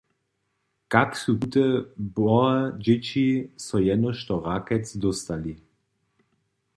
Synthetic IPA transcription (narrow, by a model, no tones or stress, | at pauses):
kaksuut̪ɛbɔad͡ʒet͡ɕisɔjɛnɔʃt̪ɔʁakɛt͡sd̪ɔst̪ali